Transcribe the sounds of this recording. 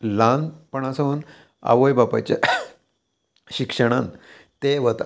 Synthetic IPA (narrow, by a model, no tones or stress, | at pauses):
lanpəɳ̃asəun | a̰ʋojbapat͡ɕa̰ | ɕikʂəɽ̃an | t̪eʋət̪